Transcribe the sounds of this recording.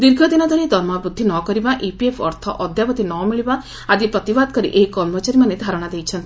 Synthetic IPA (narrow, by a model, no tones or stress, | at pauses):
d̪iɾɡʱɔd̪inɔd̪ʱɔɾid̪ʱɔɾmabɾud̪ʱːinɔkɔɾibaʔipiepʰɔɾt̪ʰɔʔɔd̪ʱjapɔt̪inɔmiɭiba | ad̪ipɾɔt̪ibad̪̚kɔɾḭʔeikɔɾmɔt͡ʃaɾimaned̪ʱaɾɔɽ̃ad̪ejt͡ʃʰɔnt̪i̥